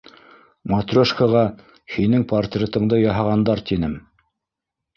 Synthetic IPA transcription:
mɐt̪rʲoʃkoʁɑ | hinɘŋpɐrt̪rʲet̪ɤ̆ɴd̪ɤjɑɦɑʁɑnd̪ɑɾt̪inɘm

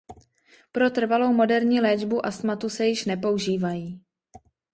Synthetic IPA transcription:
pɾo̞t̪r̩valo̞wmo̞dɛɾɲiːlɛːd͡ʒbuʔast̪mat̪usɛjɪʃnɛpo̞uʒiːvajiː

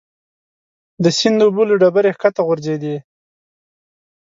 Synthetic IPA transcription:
d̪əsind̪ːbuloɖabaɾexkat̪aɣʊɾzed̪i

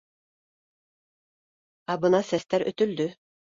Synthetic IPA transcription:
ɑbɤ̆nɑsɛst̪æɾɵ̰t̪ɵ̆ld̪ʏ

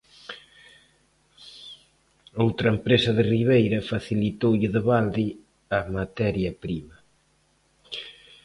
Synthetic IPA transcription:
owt̪ɾɐempɾesɐðɪriβ̞ejɾɐfaθilit̪owʎɪðɪβald̪i | amat̪ɛɾjɐpɾimɐ

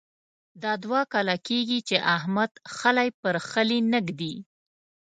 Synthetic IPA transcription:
d̪ɑd̪wɑkɑlakeɡit͡ʃeʔahmad̪̥xəlajpəɾxəlinəɡd̪i

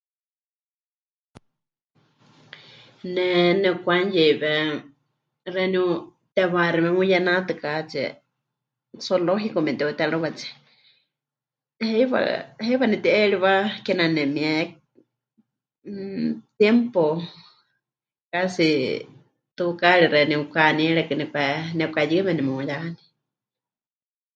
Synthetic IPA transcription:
nɛnɛkʷanjɛβɛ | rɛnu | t̪ɛβaɾɛmɛ̃mũjanãt̪ɨkat͡ʃɛ̰ | soloɦikomɛ̃nt̪ɛut̪ɛɺuβat͡sɛ̥ | hɛiβa̰hɛβanit̪iʔɛɺiβakɛnanɛmiɛ | t̪jɛmpo | kasi | t̪ukaɺiɾɛnĩukaniɛɺɛkɨnipɛnɛukajɨmɛnimɛujaani

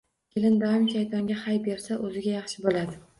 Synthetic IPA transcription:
kʲʰelɪnd̪aɪmʃajt̪ʰɒŋɡʲahajbe̞ɾsaʔɵzɪɡʲajɑχʃɪbolad̪ɪ

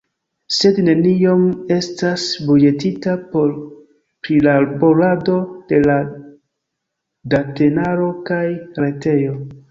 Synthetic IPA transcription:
se̞dne̞nio̞me̞stasbuje̞titao | pɾilabolado̞d̥e̞la | date̞naɾo̞kajɾe̞te̞jo̞

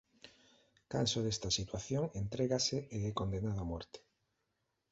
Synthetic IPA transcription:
kansoðest̪ɐsit̪waθjoŋent̪ɾeɣaseeðekond̪enaðoamɔɾt̪e̥

